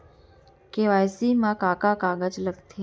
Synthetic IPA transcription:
keʋajsimãkaːkakaɡəd͡ʒləɡt̪ʰe

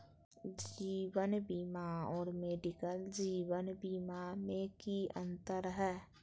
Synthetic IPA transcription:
d͡ʒiːwənbiːmaɔːɾmeːɖɪkəld͡ʒiːwənbiːmamẽkiə̰̃nt̪əɾɦɛː

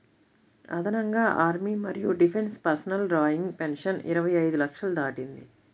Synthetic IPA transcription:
ɐ̰d̪ʱɐnɐŋɡaːʔaːɾmiːmɐɾijuɖipʰe̞nspɐɾsɐnɐlɾaːjiŋɡpenʂɐnḭɾɐʋɐjɐjd̪ulɐkʂɐlɐd̪aːʈind̪ḭ

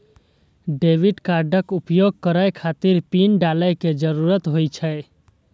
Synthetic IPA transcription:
ɖeʋiɖkaɾɖəkupjoɡ̚kəɾajkʰat̪iɾpinɖaləjked͡ʒəɾuɾət̪ɦojt͡ʃʰə

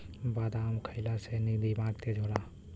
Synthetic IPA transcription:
baːd̪amkʰəɪlasenid̪ibãːɡt̪ed͡ʒʱoɽaː

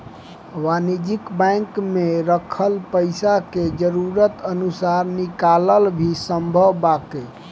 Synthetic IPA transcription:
ʋanid͡ʒikbãŋkmeɾəkʰəlpəjsaked͡ʒəɾuɾət̪ənusaɾnikaləlbʱisəmbʱəwbake

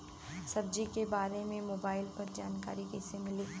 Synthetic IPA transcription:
sɐb̚d͡ʒikebaːɾemẽmoːbaːɪlpɐɾd͡ʒaːnka̰ːɾikɛsemɪliː

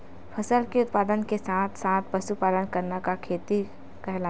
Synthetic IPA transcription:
pʰɐsəlkiʊt̪̚paːd̪ənkesãːt̪ʰsãːt̪̚ʰpɐsupaːlənkɐɾnakakʰeːt̪i | kɛɦla

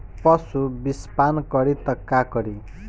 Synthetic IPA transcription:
pʌsubispankʌɾit̪ʌkːakʌɾi

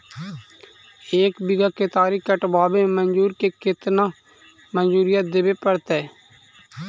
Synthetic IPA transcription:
eːkbɪɡaːket̪aːɾikəʈbaːbemənd͡ʒuːɾkekɪt̪nãː | mənd͡ʒuːɾɪjət̪̚d̪eːbepəɾt̪ɛː

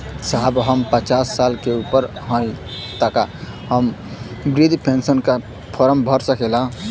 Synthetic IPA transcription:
saɦbɦəmpət͡ʃasːalkeupəɾɦə̃t̪aka | həmbɾid̪ʱpʰensənka | pʰɔɾəmbʱəɾsəkelã

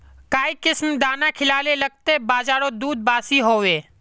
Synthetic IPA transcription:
kaːikɪsmd̪aːnakʰɪlaːlelɐɡ̚t̪ebaːzaːɾod̪uːd̪̚baːsiɦoːʋeː

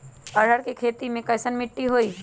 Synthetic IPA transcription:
əɽ̤əɾkekʰet̪imẽkəɪsənmɪʈːiɦoi

